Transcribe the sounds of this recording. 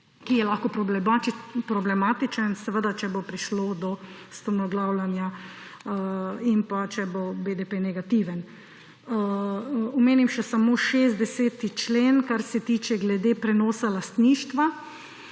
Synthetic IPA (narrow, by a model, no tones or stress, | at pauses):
kijɛlaːxkɔpɾɔblɛapɾɔblɛmaːt̪it͡ʃənsɛʋəd̪at͡ʃɛbopɾiʃlod̪ɔ | st̪ɔnɔɡlaːwlanja | impat͡ʃɛbobed̪epenɛɡat̪iʋən | ɔmeːnimʃɛsamoːʃeːzt̪d̪ɛseːt̪it͡ʃleːnkaɾsɛt̪iːt͡ʃɛɡlɛd̪epɾɛnɔːsalast̪niːʃt̪ʋa